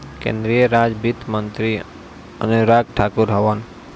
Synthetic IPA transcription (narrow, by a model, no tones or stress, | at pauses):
kḛ̃nd̪ɾijəɾaːd͡ʒbit̪mənt̪ɾi | ə̰nuɾaɡ̚ʈʰaːkuɾɦɐʋan